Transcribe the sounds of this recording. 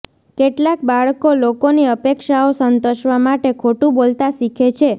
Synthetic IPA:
keʈlakbaɭkolokoniəpekʃaosənt̪oʃʋamaʈekʰoʈũbolt̪aʃikʰet͡ʃʰe

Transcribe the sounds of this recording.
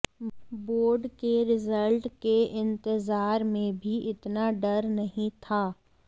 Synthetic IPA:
boːɾɖkeɾɪzəlʈkeɪ̃nt̪ɪzaːɾmẽbʱiʔɪt̪naɖɐɾnɐɦĩt̪ʰaː

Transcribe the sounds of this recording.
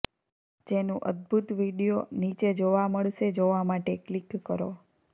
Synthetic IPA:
d͡ʒenũʔə̰d̪̚bʱut̪ʋiɽijonit͡ʃed͡ʒoʋaməɭʃed͡ʒoʋamaʈeklikːəɾo̰

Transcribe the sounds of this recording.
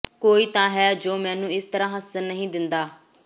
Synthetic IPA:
koːiːt̪ãːɦɛːd͡ʒoːmɛ̃ːnũːɪst̪əɾãːɦəsəɾnəɦĩːd̪ɪnd̪aː

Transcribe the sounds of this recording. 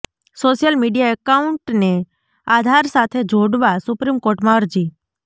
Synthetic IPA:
soːʃjəlmiɖijaəkaʊɳʈne | ad̪ʱaɾsat̪ʰed͡ʒʱoɽʋasʊpɾimkoːɾʈmaəɾd͡ʒi

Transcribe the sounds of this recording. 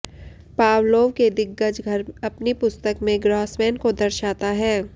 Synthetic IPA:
paːwloːʋked̪ɪɡːət͡ʃɡʱɐɾɐpnipʊst̪əkmẽɡɾɔːsmɛːnkod̪ɐɾʃaːt̪aɦɛː

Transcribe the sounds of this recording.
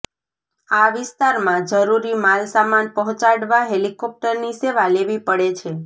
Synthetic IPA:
aʋɪst̪aɾmãd͡ʒəɾuɾimalsamanpəɦɔ̃t͡ʃaɽʋaɦelikɔp̚ʈəɾniseʋaleʋipəɽet͡ʃʰe

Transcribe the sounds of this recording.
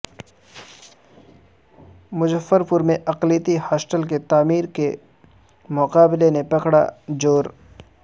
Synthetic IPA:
mʊd͡ʒəfːəɾpʊɾmẽʔɐqlit̪ihaːsʈəlk̬et̪aːmiːɾke | mʊqaːbɪlenepɐkɽa̰d͡ʒoːɾ

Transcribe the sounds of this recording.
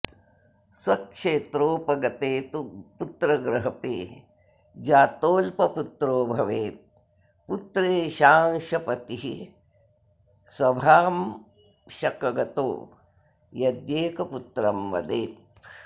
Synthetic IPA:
swɐkʃeːt̪ɾoːpɐɡɐt̪eːt̪uput̪ɾɐɡɾɐɦɐpḛː | d͡ʒaːt̪oːlpɐput̪ɾoːbʱɐʋeːt̪̚ | put̪ɾeːʃaːŋʃɐpɐt̪iɦi | swɐbʱaːm | ʃɐkɐɡɐt̪o̰ː | jɐd̪jeːkɐput̪ɾɐmʋɐ̰d̪eːt̪̚

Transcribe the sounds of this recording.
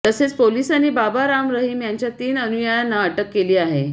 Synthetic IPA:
t̪əset͡spolisañibabaɾamɾəɦiːmjaɲt͡ɕjat̪iːnənujəjanːaəʈəkːeliːaɦe

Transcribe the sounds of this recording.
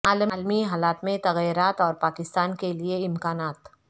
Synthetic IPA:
aːlmːlmiɦaːlaːt̪mẽt̪ɐɣiɾaːt̪ɔːɾpaːkɪst̪aːnkelieɪmkaːnaːt̪

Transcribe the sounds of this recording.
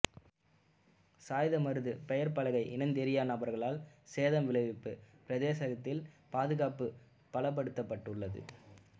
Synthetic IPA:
saːjðɐmɐɾɯðɯpɛjɐɾpɐɭɐɣɐɪʔɪnɐɪnd̪ɛɾɪjaːnaːbɐɾɣɐɭaːlseːðɐmʋɪɭɐɪʋɪpːɯpɪɾɐðeːsɐɣɐt̪ːɪlpaːðɯɣaːpɯ | pɐɭɐp̬ːɐɽɯt̪ːɐpːɐʈːɯɭːɐðɯ̰

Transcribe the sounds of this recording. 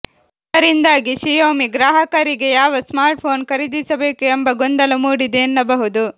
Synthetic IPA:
d̪ɐɾind̪aːɡiʃijoːmiɡɾaːɦɐkɐɾiɡejaːʋɐsmaːɾʈ̚pʰo̞ːnkɐɾid̪isɐbe̞ːkuembɐɡond̪ɐlɐmuːɽid̪eːnːɐbɐɦud̪u

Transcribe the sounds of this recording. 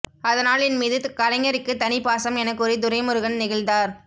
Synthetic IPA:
ɐðɐnaːlɪnmiːðɯkɐlɐɪŋɐɾɪkːɯt̪ɐnɪpaːsɐmɛnɐkːɯɾid̪ʊɾɐɪmɯɾɯɣɐɭnɪɣɐɭnd̪aːɾ

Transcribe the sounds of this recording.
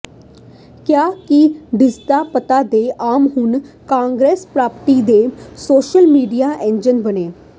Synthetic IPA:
kjaːkiɖɪsd̪aːpət̪aːd̪eːʔaːmɦʊn | kãːŋɡɾeːspɾaːpəʈiːd̪eːsoːʃəlmiːɖijaːʔɛ̃ːnd͡ʒənbəneː

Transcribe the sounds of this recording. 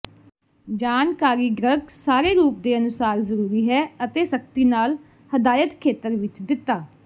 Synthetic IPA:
d͡ʒaːnkaːɾiːɡɾəɡsaːɾeːɾuːp̚d̪eːənʊsaːɾzəɾuːɾiːɦɛːət̪eːsək̚t̪iːnaːl | həd̪aːjət̪kʰeːt̪əɾʋɪt͡ʃd̪ɪt̪ːaː

